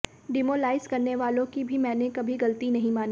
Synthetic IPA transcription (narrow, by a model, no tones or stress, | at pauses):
ɖɪmoːlaːɪzkɐɾneʋaːlõkibʱimɛ̃ːnekɐbʱiɡɐlt̪inɐɦĩmaːni